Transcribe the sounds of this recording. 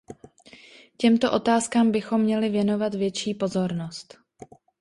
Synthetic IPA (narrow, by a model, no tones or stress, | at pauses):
cɛmt̪o̞ʔo̞t̪aːskaːmbɪxo̞mːɲɛlɪvjɛno̞vat̪vjɛt͡ʃiːpo̞zo̞ɾno̞st̪